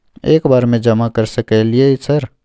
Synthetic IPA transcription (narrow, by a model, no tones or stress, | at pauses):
ḛːkbaːɾmẽd͡ʒɐmakəɾsəkelieisəɾ